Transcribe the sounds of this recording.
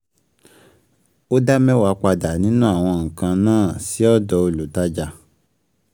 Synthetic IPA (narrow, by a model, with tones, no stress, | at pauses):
o˦da˦mɛ̃˦wa˨˧˦k͡pa˧da˨nĩ˦nũ˦a˦˨w̃ɔ̃˧ŋ̩˨kã˧nãː˦˨si˨˦ɔ˦dɔ˧o˧lu˨ta˦d͡ʒa˧˨